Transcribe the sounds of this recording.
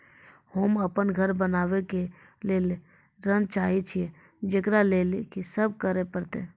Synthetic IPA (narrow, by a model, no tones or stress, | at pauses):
hoːməpənɡʱəɾbənaːʋeke | leːl | ɾənt͡ʃaːit͡ʃʰie | d͡ʒɪkɾaleːlekisəb̚kəɾepəɾt̪ḛː